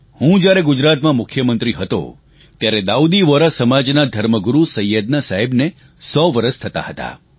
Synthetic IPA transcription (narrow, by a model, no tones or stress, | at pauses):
hũd͡ʒjaɾeɡʊd͡ʒɾat̪mãmʊkʰjəmənt̪ɾiɦət̪o̰ | t̪jaɾed̪aud̪iʋəɾasəmad͡ʒnad̪ʱəɾməɡuɾusəjːəd̪nasaɦebne | sɔʋəɾəst̪ʰət̪a̰ɦət̪a̰